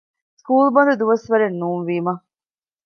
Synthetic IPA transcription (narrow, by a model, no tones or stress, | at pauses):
skuːlbɐnd̪ɐd̪uʋɐsʋɐɾenːuːnʋiːmɐ